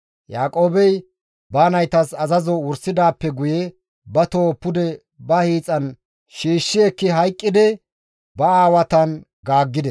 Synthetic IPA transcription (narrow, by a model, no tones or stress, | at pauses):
jaːkʼo̞ːbɛj | baːnɐjt̪ɐsɐzɐzɔwʊɾsɪd̪aːpːɛɡʊjɛ | bɐt̪oːpːʊd̪ɛ | bɐhiːt͡sʼɐn | ʃiːʃːɪɛkːɪɦɐjkʼːɪd̪ɛ | bɐaːwɐt̪ɐn | ɡaːɡːɪd̪ɛ